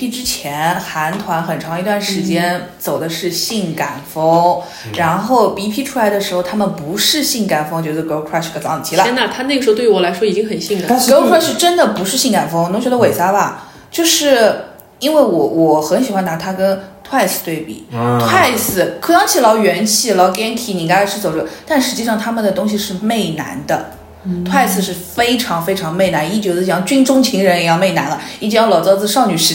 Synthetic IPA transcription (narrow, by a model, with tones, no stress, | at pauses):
pʰi˥˩ʈ͡ʂɻ̩˥t͡ɕʰjɛ˧˥nxa˧˥nt̪ʰwa˧˥nxə˨˩nʈ͡ʂʰɑ˧˥ŋi˧˥t̪wa˥˩nʂɻ̩˧˥t͡ɕjɛ˥nt͡so˨˩ʊd̪ə˦ʂɻ̩˥˧ɕi˥˩ŋka˨˩nfɤ˥ŋ | ɻa˧˥nxo˥˩ʊpi˧˥pʰi˥ʈ͡ʂʰu˥la˧˥ɪd̪ə˧ʂɻ̩˧˥xo˧ʊt̪ʰa˥mə˨npu˧˥ʂɻ̩˥˧ɕi˥˩ŋka˨˩nfɤ˥ŋt͡ɕɥɛ˧˥d̪ə˧˩ko˧˥kʰɹa˥˩kʰə˧˩ɑ˧˥ŋʰ˨˩i˧˥˩lə˨ɛ˥na˧˥t̪ʰa˥na˥˩ɡʂɻ̩˧˥˧t̪wwɔ˨˩la˧˥ɪʂwɔ˥i˨˩t͡ɕi˥ŋxə˨˩nɕi˥˩ŋlə˨˩ɡo˥kʰɹa˥˩ʂɻ̩˥˧ʈ͡ʂə˥nd̪ə˨pu˧˥ʂɻ̩˥˧ɕi˥˩ŋka˨˩nfɤ˥ŋno˧˥ŋt͡ɕɥɛ˧˥d̪ə˧we˨˩ɪt͡sa˥bɐ˨ | t͡ɕjo˥˧ʊʂɻ̩˥˩ | i˥nwe˥˩ɪwɔ˧˩wɔ˨˩xə˧˥nɕi˨˩xwa˥na˧˥t̪ʰa˥kə˥nt̪ʰwa˥˧ɪsʰɹ̩̥˧t̪we˥˩ɪpḭ˨˩˦t̪ʰwa˥˩ɪsʰɹ̩˧˩kʰo˥˩jɑ˥ŋt͡ɕʰi˥˩lɑ˧˥ʊɥɛ˧˥nt͡ɕʰi˥˩lɑ˧˥ʊkjɛ˥nt̪ʰi˧˥ni˨˩ka˥la˧˥ʂʰɻ̩˥˩t͡so˨˩ʊʈ͡ʂɔ˥˩t̪a˥˩nʂɻ̩˧˥t͡ɕi˥˧ʂɑ˥˩ŋt̪ʰa˥mə˨nd̪ə˩t̪ʊ˥ŋɕ̬i˨˧ʂɻ̩˥˧me˥˩ɪna̰˧˥nd̪ə̰˧ | t̪ʰwa˥˧ɪsʰɹ̩˧˩ʂɻ̩˥˩fe˥ɪʈ͡ʂʰɑ˧˥ŋfe˥ɪʈ͡ʂʰɑ˧˥ŋme˥˩ɪna˧˥ni˥˩t͡ɕjɔ˧˥t͡s̩˥˩˧jɑ˥˩ŋt͡ɕy˥nʈ͡ʂʊ˥ŋt͡ɕʰi˧˥ŋɻə˧˥ni˨˧˩jɑ˥˧ʊme˥˩ɪna˧˥nə˧i˥˩ʈ͡ʂi˧˥jɑ˥˩lɑ˨˩ʊt͡sɑ˥˧ʊt͡sɹ̩˥˧ʂɑ˥˩ʊny˨˩ʂ̩˧˥